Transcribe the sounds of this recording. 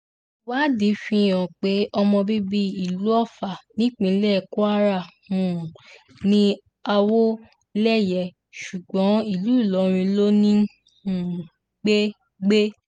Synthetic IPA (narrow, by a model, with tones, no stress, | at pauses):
wa˦di˨˦fĩ˧jɔ̃˨k͡pe˨˦ʔɔ˧mɔ̃˧bi˦bi˧i˨lu˨˦ɔ˦˨fa˨nĩ˦k͡pĩ˧˨˦lɛ˦˨ko˦a˦ɾa˦˨hũ˨ | nĩ˦ | a˧wo˦ | lɛ˦˨jɛ˧˨ | ʃu˨ɡ͡bɔ̃˨˦i˦˨lu˨˦i˦˨lɔ˨˦ɾ̃ĩ˧lo˦nĩ˦ | ũ˦˨ | ɡ͡be˦ | ɡ͡be˦